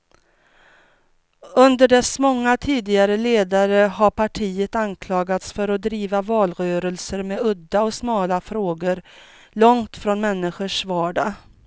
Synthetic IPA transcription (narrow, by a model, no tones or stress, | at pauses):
ɵnd̪əɖɛsmɔŋːat̪ʰiːd̪ɪɡaɾəleːd̪aɾəɦaɾpʰaʈʰiːət̪ankʰlɑːɡat̪sfœɾɔd̪ɾiːvavɑːlɾœːɾəlsəɾmeɵd̪ːaɔsmɑːlafɾoːɡəɾ | lɔŋt̪fɾɔnmɛnːɪɧəʂvɑːɖa